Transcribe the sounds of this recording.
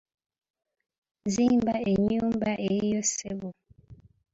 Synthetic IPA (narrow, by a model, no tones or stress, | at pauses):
zimbaeɲuːmbaʔejosebu